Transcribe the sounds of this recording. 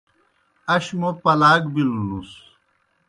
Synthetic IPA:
ɐɕmopɐlaːɡbilulus

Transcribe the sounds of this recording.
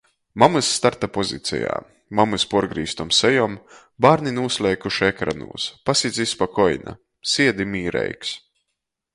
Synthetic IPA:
mamɨsːt̪aɾt̪apɔzḭt̪sʲɛ̰ja̰ː | mamɨspɔɾɡɾiːst̪ɔmsɛjɔm | baːɾninuːslʲˠɛjkuʃɛkɾa̰nṵːspasʲizʲispakɔjna̰ | siɛd̪imiːɾɛ̰jks

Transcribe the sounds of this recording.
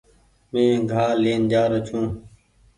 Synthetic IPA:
mẽːɡʱaːleːnd͡ʒaːɾot͡ʃʰũː

